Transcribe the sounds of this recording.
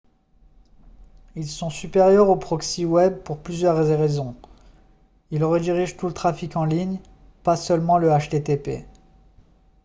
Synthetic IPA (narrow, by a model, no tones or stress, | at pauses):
ilsɔ̃sypeʁjœʁopχɔksiwɛb̚puʁplyzjœʁʁezɔ̃ | ilʁəd̪iʁiʒt̪ulət̪χafikɑ̃liɲ | pasœlmɑ̃ləaʃt̪et̪epḛ